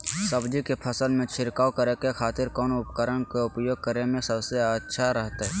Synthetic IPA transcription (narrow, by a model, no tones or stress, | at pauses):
səbd͡ʒikepʰəsəlmẽt͡ʃʰɪɾkaːokəɾekekʰaːt̪ɪɾkɔːnʊpkəɾənkeʊpjoːɡ̚kəɾemẽsəbseətːʃʰaɾəɦt̪aɦɛː